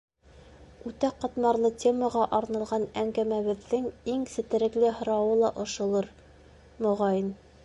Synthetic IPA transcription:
ʉt̪æqɑ̆t̪mɑɾlˠɤtʲʰeməʁɑʔɑɾnɑ̆lˠʁɑnæŋɡæmæβɘ̆ðːɘŋiŋsɘ̆t̪ɘ̆ɾɘ̆klɘɦŏɾɑwɤlˠɑʔŏʃɤ̆lˠɤɾ | mŏʁɑjɤn

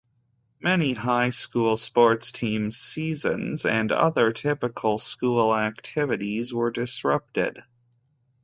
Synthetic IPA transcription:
mɛnihaɪskulˠspɔɹtstʰĩmz̥sizɨ̰̃nzɨ̃nʌ̰ðə˞tʰɪpɨkʰl̩ˠskulˠæk̚tʰɪvɨɾizwə˞dɨsɹʌp̚tɪ̰d̥

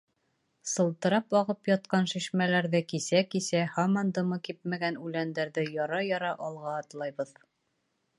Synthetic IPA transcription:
sɤ̆lˠt̪ɤ̆ɾɑpɒʁɤpjɒt̪̚qɑnʃɘ̆ɕmælæɾðɘkisækisæhɑmɑnd̪ɤ̆mɤkip̚mæɡænʉlænd̪æɾðɘjɒɾɑjɒɾɑʔɒlˠʁɑːt̪lˠɑjbɤð

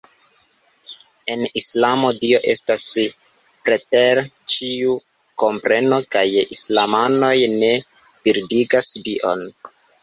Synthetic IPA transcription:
e̞nislamo̞dio̞ʔe̞stas | pɾete̞ɾt͡ʃiu | ko̞mpɾe̞no̞kajislamano̞jne̞ | piɾdiɡasdiʔo̞̰n

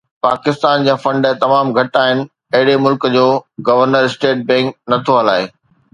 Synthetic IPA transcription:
pa̰ːkɪst̪aːnd͡ʑãːfɐ̃ɳɖt̪ɐmaːmɡʱɐʈaːɦɪnɪ̆ | ɐɦɪɽemʊlkd͡ʑoːɡɐʋəɾnəɾɪsʈeːʈ̚bɛ̃ːŋk̚nɐt̪ʰoɦɐla̰ːe

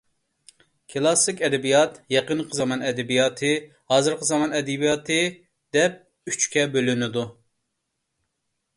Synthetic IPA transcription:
kʰɨlˠɑsɨkʲɛd̪ɛbijɑt̪jɛqənqʰəzɑmɑnɛd̪ɛbijɑːt̪ʰɨ | hɑːzɨɾqʰəzɑmɑnɛd̪ɛbijɑt̪ʰɨ | d̪̥ɛp̚ | yt͡ʃkʲɛbølynɪd̪u

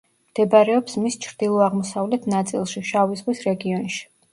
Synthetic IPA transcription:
md̪̥ɛbaɾɛɔpsmist͡ʃʰɾd̪̥ilˠɔaʁmɔsavlɛt̪ʰnat̪sʼḭlˠʃiʃavizʁwisɾɛɡiɔnʃi̥

